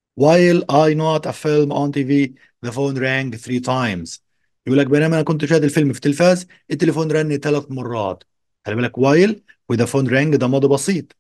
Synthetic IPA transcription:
wajlʔajnɑt̪æfɪlmʔɔnt̪iːviː | ðæfoːnɾæŋɡθɾiːt̪ajmz̥ | jʔuːlːæk̚benæːmʔænækʊnt̪ʃæːd̪ɪlfɪlmfi̥t̪elfæːz | ʔɪt̪ːelefoːnɾˤænːit̪ælæθmɑrˤːɑ̰ːt̪ | xælʔbælːækwajl | wɪðæfoːnɾæŋɡd̪æmɑd̪ˤibɑsˤiːt̪ˤ

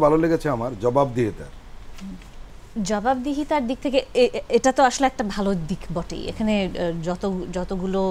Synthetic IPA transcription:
bʱaloleɡet͡ɕʰeamaɾd͡ʑɔbabd̪iɦit̪a̰ɾ | d͡ʑɔbabd̪iɦit̪aɾd̪ik̚t̪ʰekeeʈat̪oaʃoleɛk̚ʈabʱalod̪ikbɔʈḛjḛkʰaned͡ʑɔt̪od͡ʑɔt̪oɡulo

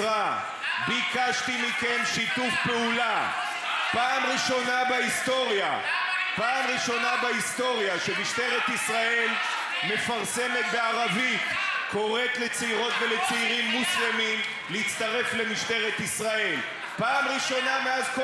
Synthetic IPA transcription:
ʁa | bikaʃt̪imike̞mʃit̪ufpeula | paːmʁiʃo̞nabaist̪o̞ʁja̰ | paːmʁiʃo̞nabaist̪o̞ʁjaʃemiʃt̪e̞ʁet̪isʁae̞l | me̞faʁse̞me̞t̪beaʁavit̪ko̞ʁet̪le̞t͡seiʁo̞t̪ve̞le̞t͡seiʁimːuslemim | leit͡st̪aʁe̞fle̞miʃt̪e̞ʁet̪isʁae̞l | paːmʁiʃo̞name̞azko

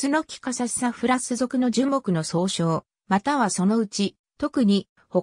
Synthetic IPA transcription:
ɨno̞kʲi̥kasase̥aɸɯ̟ɾasɨzo̞kɯ̟no̞d͡ʑɨ̃mbo̞kɯ̟no̞so̞ːɕo̞ː | mat̪aβaso̞no̞ɯ̟t͡ɕi | t̪o̞kɯ̟ɲ̟i | ho

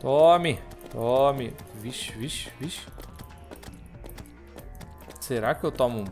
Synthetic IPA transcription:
t̪ɔmit̪ɔmiviʃviʃviʃ | seɾakewt̪ɔmũ

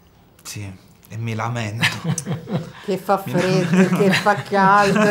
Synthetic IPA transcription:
si | emːilamɛnt̪o | kefːafɾed̪ekːefːakːjal

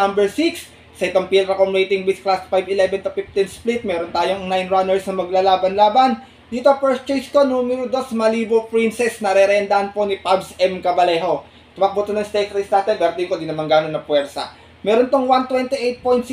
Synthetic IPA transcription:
ambɛɹsiksː | ɐʔɪt̪oŋpilɾɛkomɹejt̪ɪŋwisklasfajbɪlɛbɛnt̪ʊfift̪ɪnsplit̪̚mɛːɾont̪aːjonajnɹanɛɹsnɐmɐɡlaːlaːbɐnlaːbɐn | d̪iːt̪opɛɹst͡ʃejsko̞numɛɾod̪o̞smɐliːbopɹinsɛsnɐɾɛɾɛʔɐnd̪aʔɐnpo̞nipabsɛmkɐbɐlɛɦo̞ | t̪ʊmak̚but̪ɐnɐŋst̪ɛjt̪ɾijsnaːt̪ɛnɡ̪ɐɾt̪ɪŋkod̪inɐmɐŋɡaːnonɐpwɛɾsɐ̰ | mɛːɾont̪oŋwant̪wɛnt̪iʔejt̪̚pojnt̪s

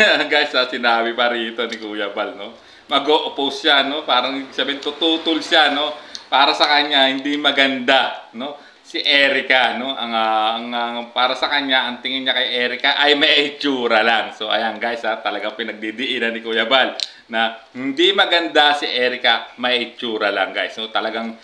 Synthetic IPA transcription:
ɡajsɐsɪnaːbɪpɐɾiːt̪o̞nɪkuːjɐbalno̞ | mɐɡoʔopusʃano̞paːɾɐŋsabɛnt̪ʊt̪uːt̪ʊlʃano̞paːɾɐsɐkɐɲːahɪnd̪imɐɡɐnd̪ano̞ | sɪʔɛːɾɪkano̞ʔɐŋaɐŋɐpaːɾɐsɐkɐɲːaʔɐŋt̪ɪŋɪnɲakɐjʔɛːɾɪkaʔɐjmɐʔiʔɪt͡ʃuːɾɐlaŋso̞ʔɐ̰jaŋɡajsat̪ɐlɐɡaŋpɪnɐɡ̚d̪id̪ɪʔɪɾɐnɪkuːjɐbal | nɐ | hɪnd̪imɐɡɐnd̪asɪʔɛːɾɪkɐmɐʔiɪt͡ʃuːɾɐlaŋɡa̰jsno̞t̪ɐlɐɡaŋ

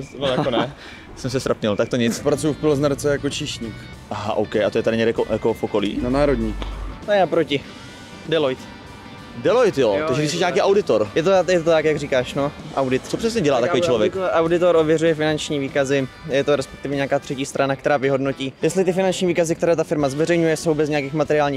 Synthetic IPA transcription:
nojakonɛ | sɛmsɛst̪ɾapɲɛlt̪akt̪oɲɪt͡spɾat͡sujufpɪlznaɾt͡sɛjakot͡ʃiʃɲiːk | ʔaɦa̰ʔowkɛjʔat̪ojɛt̪adɪɲɛdɛkojakofʔokolḭːnanaːɾodɲit̪aapɾocɪ | dɛlojt̪ | dɛlojt̪jot̪aɡʒɛɡɾdɪsɛʃɲaːkiːʔawdɪt̪oɾjɛt̪oajɛt̪ot̪akjaɡriːkaːʃnoʔawdɪt̪t͡sopr̥ɛsɲɛɟɛlaːt̪akoit͡ʃlovjɛkʔawdɪt̪oɾʔovjɛrujɛfɪnant͡ʃɲiːviːkazɪ | jɛt̪oɾɛspɛ̥k̚t̪ɪvɛɲɛaːkaːt̪r̥ɛciːst̪ɾʔanak̚t̪ɛɾaːvɪɦo̞dnociːjɛstlɪt̪ɪfɪnant͡ʃɲiːviːkazɪkt̪ɛɾɛːt̪afɪɾmazvɛrɛjɲujɛsowbɛzɲɛjakiːxmat̪ɛɾɪaːlɲiːx

